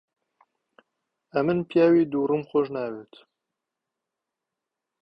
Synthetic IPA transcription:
ɛmɨnpjaːwiːd̪uːɾɨmxoʒnaːwet̪ʰ

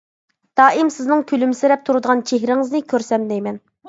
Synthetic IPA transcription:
d̪̥ɑːʔimsɪznɨŋkʲʰylymɪsɪɾɛp̚t̪ʰuɾɨd̪əʁɑnt͡ʃʰeɦɾɪŋɨznɨkʲʰøɾsɛmd̪ɛjmɛn

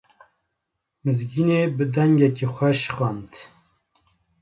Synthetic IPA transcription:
mɨzɡinebɨd̪ɛŋɡɛkixʷɛʃxɑnt̪

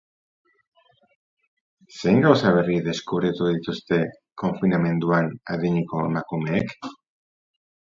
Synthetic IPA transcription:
se̞ŋɡawsaβ̞e̞riðe̞skuβɾet̪uð̞it̪ust̪e̞ | ko̞ɱfinamẽ̞nt̪uana̰ðiɲiko̞makume̞ːk

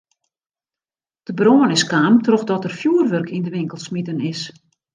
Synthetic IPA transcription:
d̥əbroənɪskaːmtrɔxdɔtərfjuərʋørkʰindəʋɪŋkəlˠsmitənɪs

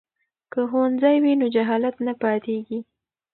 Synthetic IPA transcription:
kəxoanzajwinod͡ʒaɦɑlat̪napɑt̪eɡi

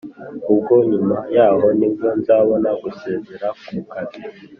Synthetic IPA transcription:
kuɡoɲimajaɦɔniɡon̩zawɔnakuseːzeɾakukadi

